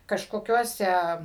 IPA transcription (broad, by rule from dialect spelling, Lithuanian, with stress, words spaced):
kɐʃkoːˈkʲuɔsʲɛ